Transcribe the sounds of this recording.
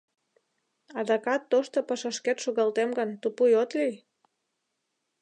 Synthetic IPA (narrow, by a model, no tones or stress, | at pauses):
ɑd̪ɑkɑt̪ːoʃt̪opɑʃɑʃket̪ʃuɣɑlt̪emɡənt̪upujot̪lij